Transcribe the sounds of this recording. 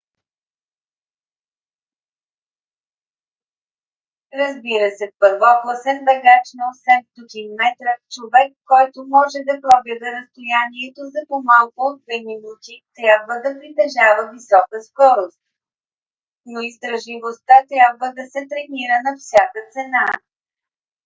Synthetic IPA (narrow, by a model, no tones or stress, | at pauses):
ɾɐzbiɾəsɛpəɾvɔklˠəsɛnbɛɡat͡ʃnosɛmst̪ot̪ʲinmɛt̪ɾəft͡ʃovɛkːɔjt̪omɔʒɛd̪ɐpɾɔɡlɛd̪ɛɾɐst̪ojaniɛt̪ozɐpomalˠkʊːd̪̚vɛminut̪it̪ɾʲabvəd̪ɐpɾit̪ɛʒavəvisɔkəskɔɾost̪̚ | noist̪ɾɐʒlivost̪at̪ɾʲjabvəd̪ɐsɛt̪ɾɛniɾənɐfsʲjakət̪sɛna